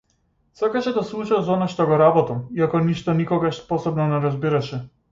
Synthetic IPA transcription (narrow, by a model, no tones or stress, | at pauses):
sakaʃɛd̪aslˠut͡ʃazɔnaʃt̪ɔɡɔɾabɔt̪amiakɔniʃt̪ɔnikɔɡaʃspɔsɔbnɔnɛɾazbiɾaʃɛ